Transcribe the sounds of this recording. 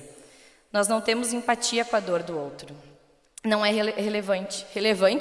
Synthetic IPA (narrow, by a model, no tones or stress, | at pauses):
nɔznɐ̃w̃t̪ẽmʊzẽmpat͡ʃiɐkõɐd̪oɾd̪ʊowt̪ɾʊ | nɐ̃w̃ɛɦɦelevɐ̃nt͡ʃɪ̥helevɐ̃nt͡ʃ